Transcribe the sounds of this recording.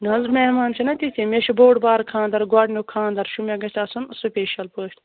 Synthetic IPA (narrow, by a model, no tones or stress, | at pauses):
nɐzɾmʲehmaːnt͡ʃʰɐnɐt̪ʲit̪ʰʲemʲeʃɐboːɖbaːɾkʰãːnd̪ɐɾɡwɐɖnʲukʰãːnd̪ɐɾʃumʲeɡɐtasunsupʲeːʃɐlpəːʃt̪ʲ